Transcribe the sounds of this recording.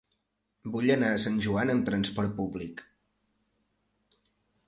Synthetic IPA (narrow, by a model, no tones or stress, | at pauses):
buʎənaəsanʲʒuanəmt̪ɾənspɔɾt̪̚publik